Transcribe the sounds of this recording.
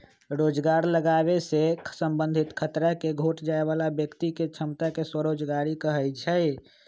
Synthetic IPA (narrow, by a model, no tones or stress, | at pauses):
ɾod͡ʒɡaɾləɡaβesekʰsəmbə̃nd̪ʱit̪kʰət̪ɾakeɡʱoʈd͡ʒaeβalabjəkt̪iket͡ʃʰəmt̪akeswəɾod͡ʒɡaɾikəɦət͡ʃʰəɪ